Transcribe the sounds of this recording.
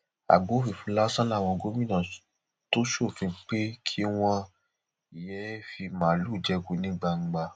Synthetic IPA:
a̰˨ɡ͡bo˨˦fi˦˨fũ˨˦la˦sã˦la˦˨wɔ̃˧ɡo˦mĩ˦nã˨ | to˦ʃo˦˨fĩ˧˦k͡pe˦kʰi˦w̃ɔ̃˧ | i˨jɛ˨˦fi˧mãː˨˦lu˦˨d͡ʒɛ˦ɡu˨˦nĩ˦ɡ͡ba˧ŋ͡m̩˧ɡ͡ba˧

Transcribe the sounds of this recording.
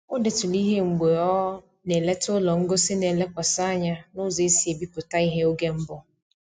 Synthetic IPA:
ʊ˦de˨tʊ˨li˦ɦe˦ŋ͡m̩˨ɡ͡be˨ɔ˦ | ne˨le˦tʊ˦lɔ˨ŋ̩˦ɡʊ˦sɪ˦ne˨le˦kʷa˨sa˦a˦ɲa˦nʊ˦ze˦si˨e˨bi˦pʊ˨ta˦i˦ɦe˦o˦ɡe˦m̩˦bʊ˦

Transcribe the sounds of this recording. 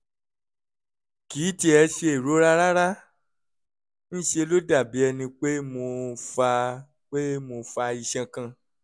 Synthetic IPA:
kiː˨˦ti˧ɛ˧ʃe˧e˨ɾo˨˦ɾa˦ɾa˦ɾa˦ | ñ̩˦ʃe˧lo˦da˦˨bi˨˦ɛ˧nĩ˧k͡pe˦mo˧fa˧ | k͡pe˦mo˧fa˧i˧ʃɛ̃˧kã˧˨

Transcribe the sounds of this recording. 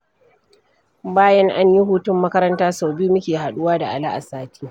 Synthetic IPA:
baː˦jɐ˦ŋʔa˦ɲji˦ɦuː˦tʊ˦mːɐ˦kɐ˦ɾɐ˦ntaː˦sa˨wbuː˦mʊ˦kʲeː˨ɦa˨ɗʊ˦waː˦da˨ʔa˨la˦ʔa̰˨saː˦tʰi̥ː˦

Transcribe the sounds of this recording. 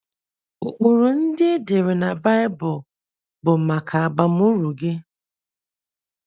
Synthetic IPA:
u˨k͡pu˨ɾu˨n̩˦dɪ˦e˦de˨ɾe˨na˨ba˦jɪ˦bʊ˨ | bʊ˨ma˨kʰa˨a˨ɡ͡ba˨m˦u˦ɾu˨ɡe˦

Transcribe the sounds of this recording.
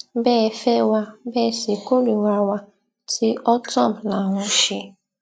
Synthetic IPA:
bɛː˦˨fɛ˦wa˦bɛ˦˨se˨ko˦ɾi˨wa˦wa˦ | tʰi˦ʔɔ˦tɔ˦˨m̩˨na˨ɦʊ˦ʃi˦

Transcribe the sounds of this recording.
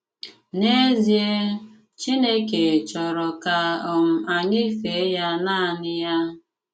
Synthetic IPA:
ne˦zje˦ | t͡ʃi˦ne˦ke˨t͡ʃɔ˨ɾɔ˨ka˨ɔ˨m̩˨a˨ɲɪ˦fe˨˦ja˦na˦a˨nɪ˦ja˦

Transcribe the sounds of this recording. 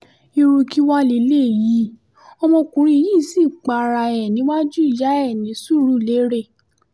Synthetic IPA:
i˧ɾu˧ki˦wa˦li˧˦le˦˨ji˨˦ | ɔ˧mɔ̃˧kũ˨ɾ̃ĩ˧ji˦˨si˦˨k͡pa˨ɾa˧˨ɛ˨nĩ˨˦wa˦d͡ʒu˦i˦˨d͡ʒa˨˦ɛ˦˨nĩ˨˦su˦˨ɾu˦˨le˨˦ɾe˦˨

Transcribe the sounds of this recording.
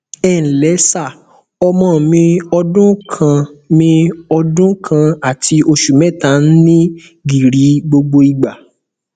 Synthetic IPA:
ɛ˦˨n̩˨lɛ˨˦sa˦˨ | ɔ˧mɔ̃˦˨mĩ˧ɔ˧dũ˦kʰã˧mĩ˧ɔ˧dũ˦kʰã˧a˨tʰi˧ʔo˧ʃu˨mɛ̃˦˨tã˨˦n̩˦nĩ˦ | ɡi˨ɾi˨˦ɡ͡bo˧ɡ͡bo˧i˨ɡ͡ba˨

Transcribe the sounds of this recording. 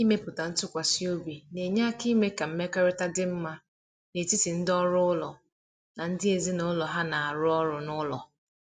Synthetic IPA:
i˦me˦pʊ˨ta˨n̩˦tʊ˦kʷa˨si˦o˦bi˨ne˨ɲa˦ki˦me˦ka˨m̩˦me˦kɔ˦ɾɪ˦ta˦dɪ˦m̩˦ma˦ | ne˨ti˦si˨n̩˦dɔ˦ɾʊ˦ʊ˦lɔ˨ | na˨n̩˦dɪ˦e˨zi˦nʊ˦lɔ˨ɦa˦na˨a˨ɾʊ˦ɔ˦ɾʊ˨nʊ˦lɔ˨

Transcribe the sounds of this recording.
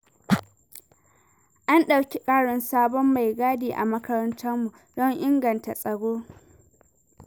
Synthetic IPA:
ʔa˦nɗa˨wkʲi˦kʼaː˦ɽɔ˨nsaː˦bɔ˦mːa˨jɡaː˦deː˨ʔa̰˨mɐ˦kɐ˦ɾɐ˦ntʰɐ˦mːu˨ | dɔ˦ŋʔɪ˦ŋɡɐ˨nta˨sʼɐ˨ɽoː˦

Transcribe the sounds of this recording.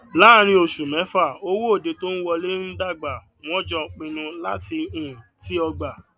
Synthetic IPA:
la˦˨ɾ̃ĩ˧o˨ʃu˨mɛ̃˨˦fa˦˨o˦wo˦o˦˨de˨˧to˦n̩˦wɔ˧le˦n̩˦da˦˨ɡ͡ba˨ | w̃ɔ̃˦d͡ʒɔ˧˨k͡pĩ˧nũ˧la̰˦ti˧ũ˨ti˦ɔ˧ɡ͡ba˨

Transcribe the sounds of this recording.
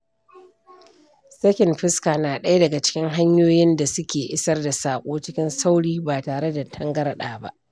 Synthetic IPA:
sɐ˦kʲɪ˨mɸɪ˦skaː˨naː˨ɗɐ˦ja˦dɐ˨ɡa˨t͡ʃɪ̥˦kʲɪ˦ŋɦa˦ɲjoː˦jɪ˦nda˨sʊ˦kʲeː˨ʔɪ˦sɐ˦rda˨saː˨kʷʼoː˦t͡ʃɪ˦kʲɪ˦nsa˦wɽiː˦baː˨taː˨ɽe˦da˨tʰɐ˦ŋɡɐ˦ɾɗaː˨ba˦ʔ

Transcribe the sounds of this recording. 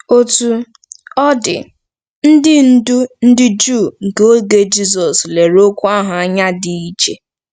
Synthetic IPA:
o˦tu˦ | ɔ˦dɪ̰˨ | n̩˦dɪ˦n̩˦du˦n̩˦dɪ˦d͡ʒu˦˨ŋ̩˨ke˦o˦ɡe˦d͡ʒi˦sɔ˨sle˨ɾo˦kʷu˦a˦ɦʊ˨a˦ɲa˦dɪ˨i˦t͡ʃe˨

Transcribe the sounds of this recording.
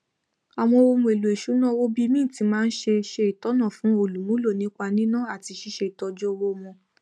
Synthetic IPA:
a˨w̃ɔ̃˧wo˧mũ˧e˨lu˨e˨ʃu˨˦nã˦wo˦bi˦mĩ˦˨ti˨˧˦mãː˦n̩˦ʃe˧ʃe˧i˨tɔ˨˦nã˦˨fũ˨˦o˧˨lu˨˦mũ˦lo˦˨nĩ˨˦k͡pa˧nĩ˦nã˦˨a˦˨ti˧ʃi˧˦ʃe˧i˨tɔ˧d͡ʒo˦˧wo˧mɔ̃˧

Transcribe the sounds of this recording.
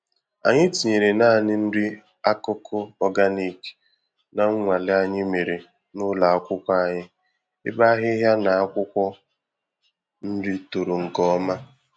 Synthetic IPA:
a̰˨ɲɪ˦ti˨ɲe˨ɾe˨na˦˨nɪ˦n̩˦dɪ˦ | a˦kʊ˦kʰʊ˦ɔ˦ɡa˦ni˨k | na˨ŋ̩˦ŋʷa˨lɪ˦a˦ɲɪ˦me˨ɾe˨ | nʊ˦la˨a˦kʷʊ˦kʷɔ˦a˦ɲɪ˦ | ɪ̰˦ba˦a˦ɦɪ˦ɦja˦na˨a˦kʷʊ˦kʷɔ˦ | n̩˦di˦to˨ɾo˨ŋ̩˨kɔ˦ma˦

